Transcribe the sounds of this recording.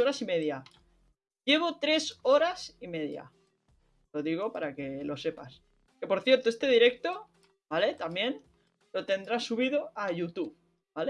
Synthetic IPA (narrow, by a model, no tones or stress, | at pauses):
oɾasime̞ðja | ʝe̞β̞o̞t̪ɾe̞so̞ɾasime̞ðja̰ | lo̞ðiɣ̞o̞paɾake̞lo̞se̞pa̰s | ke̞po̞ɾθje̞ɾt̪oe̞st̪e̞ðiɾe̞k̚t̪o̞ | bale̞t̪amjẽ̞n | lo̞t̪e̞nd̪ɾasuβ̞iðo̞aʝut̪uβ | bale